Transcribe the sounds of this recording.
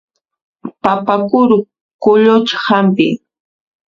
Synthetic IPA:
papakʊɾʊ | kʊʎʊt͡ʃhampɪ̰

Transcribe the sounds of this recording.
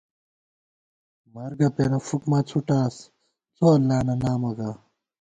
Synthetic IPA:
mɐɾɡɐpenɐfukmɐt͡sʰuʈaːs | t͡sʰoɐlːaːnɐnaːmɐɡa

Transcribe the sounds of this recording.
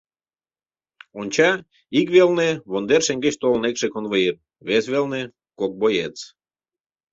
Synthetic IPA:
onʲt͡ɕɑ | ikβelneβond̪erʃeŋɡet͡ɕt̪olnekʃekonβəjet̪̚ | βesβelne | kok̚bojet͡s

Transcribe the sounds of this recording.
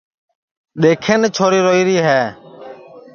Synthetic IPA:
ɗeːkʰeːneːt͡ʃʰoːɾiːɾoːiːɾiːɦɛː

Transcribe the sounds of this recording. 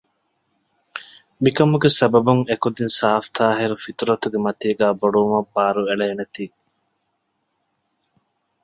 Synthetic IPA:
mikɐmuɡesɐbɐbuŋekud̪insaːft̪aːɦeɾufit̪ɾɐt̪uɡemɐt̪iːɡæːboɖuːmɐbːaːɾueɭeːnet̪iː

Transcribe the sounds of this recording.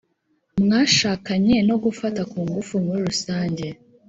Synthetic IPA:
mŋaːʃaːkaɲe̞no̞ɡufatakuːŋɡufumuɾiɾusaːɲɟe̞

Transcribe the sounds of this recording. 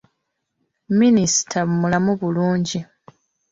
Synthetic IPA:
minisi̥tʰamulamuβuluːɲɟi

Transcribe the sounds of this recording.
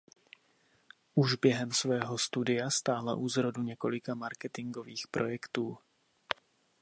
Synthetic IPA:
ʔuʒbjɛɦɛmsvɛːɦo̞st̪udɪjast̪aːla̰ʔuːzɾoduɲɛko̞lɪkamaɾkɛt̪ɪŋɡo̞viːxpɾʔo̞̰jɛkt̪uː

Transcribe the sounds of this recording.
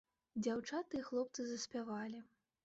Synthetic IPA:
d͡zʲawt͡ʂat̪ɨjɛxlˠɔpt̪sɨzɐsʲpʲavalʲi

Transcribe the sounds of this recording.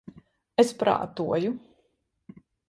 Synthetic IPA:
espɾa̰ːt̪uɔju

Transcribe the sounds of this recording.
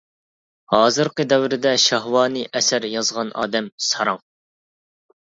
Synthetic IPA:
hɑːzɨɾqəd̪ɛwɾɪd̪ɛʃɑɦwɑːnɨʔɛsæɾjɑzʁɑnʔɑ̰ːd̪ɛmsɑɾɑŋ

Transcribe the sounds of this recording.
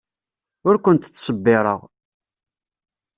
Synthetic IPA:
ʊɾkʷənt̪t͡sːsˤəbːɪɾˤə̰ʁ

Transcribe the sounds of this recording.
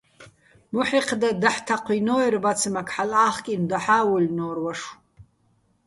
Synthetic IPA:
muħiqʰdadaħtʰaqʷʰijnoirbat͡sʰɨmakʰʼħalaχkʲʼindaħawʊlʲnorwaʂ

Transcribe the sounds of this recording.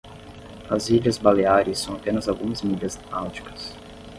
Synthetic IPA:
ɐziʎɐzbaleaɾɪsːɐ̃w̃apẽnɐzawɡũmɐzmiʎɐznawd͡ʒi̥kɐ̥s

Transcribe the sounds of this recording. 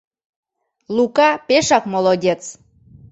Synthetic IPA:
lukɑpeʃɑkmolˠodʲet͡s

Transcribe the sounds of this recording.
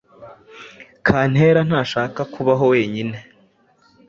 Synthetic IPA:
kʰaːn̥he̞ːɾan̥haːʃaːkakʰuβaɦo̞we̞ːɲine̞

